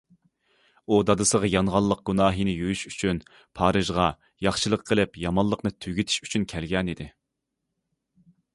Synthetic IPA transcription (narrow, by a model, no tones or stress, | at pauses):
ud̪ɑd̪ɨsəʁɑjɑnʁɑlˠːəq̚ɡ̥unɑːɦinɪjyjyʃy̥t͡ʃʰyn | pʰɑːɾɨʒʁɑ | jɑχʃɨlˠəqʰːəlˠɪpjɑmɑlˠːəqnɨt̪ʰyɡʲit̪ʰɪ̥ʃy̥t͡ʃʰynkʲʰɛlɡʲɛnid̪ɪ